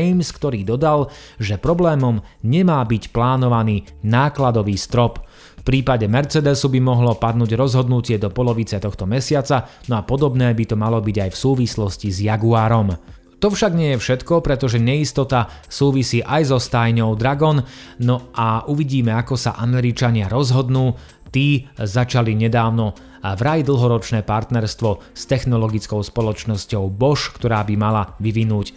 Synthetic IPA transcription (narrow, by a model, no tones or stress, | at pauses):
jmskt̪ɔɾiːd̪ɔd̪al | ʒɛpɾɔblɛːmɔmɲɛmaːbicplaːnɔʋaniːnaːklad̪ɔʋiːst̪ɾɔp | fpɾiːpaɟɛmɛɾt͡sɛd̪ɛsubimɔɦlɔpad̪nuːɟɾɔzɦɔd̪nucɪɛd̪ɔpɔlɔʋit͡sɛt̪ɔxt̪ɔmɛsɪat͡sanɔapɔd̪ɔbnɛːbit̪ɔmalɔbiɟajfsuːʋislɔscizjaɡuaːɾɔm | t̪ɔfʃaɡɲɪɛjɛfʃɛt̪kɔpɾɛt̪ɔʒɛɲɛist̪ɔt̪asuːʋisiːʔajzɔst̪ajɲɔʊd̪ɾaɡɔnnɔʔaʔuʋiɟiːmɛakɔsa̰ʔamɛɾit͡ʃaɲɪaɾɔzɦɔd̪nuː | t̪iːzat͡ʃaliɲɛd̪aːʊnɔ | vɾajd̪l̩ˠɦɔɾɔt͡ʃnɛːpaɾt̪nɛɾst̪ʋɔst̪ɛxnɔlɔɡit͡skɔʊspɔlɔt͡ʃnɔscɔʊbɔʃkt̪ɔɾaːbimalaʋiʋinuːc